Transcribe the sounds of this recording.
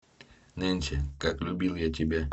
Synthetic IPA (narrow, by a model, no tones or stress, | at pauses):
nɛnʲt͡ʃɛkaklʲʊbʲilˠjatʲɪbʲa